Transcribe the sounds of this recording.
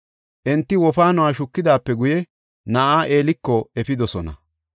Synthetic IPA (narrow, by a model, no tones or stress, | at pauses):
ʔɛnt̪ːɪwɔfaːnʊwaːʃʊkːɪd̪aːpːɛɡʊjɛ | nɐʔaːʔeːlɪkːɔɛfɪd̪ɔsɔnɐ̰